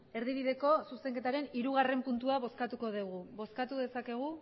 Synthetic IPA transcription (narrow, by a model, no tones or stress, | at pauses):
e̞ɾðiβ̞iðe̞ko̞suse̞ŋke̞t̪aɾe̞niɾuɣare̞mpunt̪uaβ̞o̞skat̪uko̞ðiɣuβo̞skat̪uðe̞sake̞ɣ̞u